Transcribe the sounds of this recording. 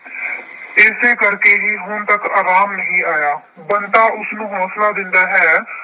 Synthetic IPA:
ɪːseːkəɾkeːɦiːɦʊnt̪əka̰ːɾaːmnəɦĩːaːjaː | bənt̪aːʔʊsnũːɦɔːslaːd̪ɪ̃nd̪aːɦɛː

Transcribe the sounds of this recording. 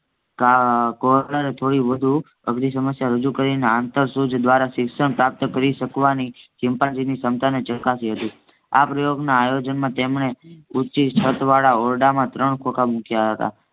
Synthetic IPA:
kakolaɾet̪ʰoɽiʋəd̪ʱu | ə̰ɡɾisəməsjaɾəd͡ʒukəɾineant̪əɾsud͡ʒ̪ʱd̪ʋaɾaʃɪksəɳpɾap̚t̪kəɾiʃəkʋanisɪmpad͡ʒinisəmt̪ʰanet͡ʃəkasiɦət̪ũ | a̰pɾəjoɡnaːjod͡ʒənmãt̪emɳeut͡ʃit͡ʃʰət̪ʋaɭaɔɾɖamãt̪ɾəɳkʰokamukjaɦət̪a̰

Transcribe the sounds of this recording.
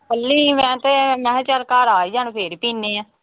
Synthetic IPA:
pəlːiːmɛ̃ːt̪emɛ̃ːt͡ʃaɾkaːɾaːiːd͡ʒaːnpʰeɾpiːneːãː

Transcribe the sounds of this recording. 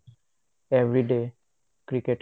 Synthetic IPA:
evɾiɖe | kɾikeʈ

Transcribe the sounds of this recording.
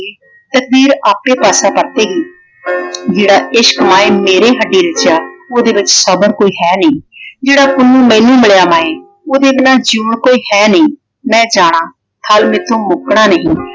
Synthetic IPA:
t̪ək̚d̪iːɾaːpeːpaːsãːpəɾt̪eːɡiː | d͡ʒeːɽaːɪʃkəmaːeːmeːɾeːɦəɖiːɾɪt͡ʃjaːoːd̪eːʋɪt͡ʃsəbəɾkoːiːɦɛːnĩːd͡ʒeːɽaːkʊnũːmɛ̃ːnũːmɪɭjaːmaːeː | oːd̪eːbɪnaːd͡ʒuːɳkoːiːhɛːnĩː | mɛ̃ːd͡ʒaːɽ̃ãː | t̪ʰəlmɪt̪ʰːõːmʊkɽaːnəɦĩː

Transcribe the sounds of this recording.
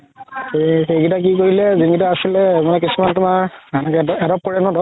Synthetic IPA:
exeɡitak̬ikoɹilɛziŋɡidaasilɛmanɛk̬isumantʊmaɹanakɛdɔp̚koɹɛnɔdɔ

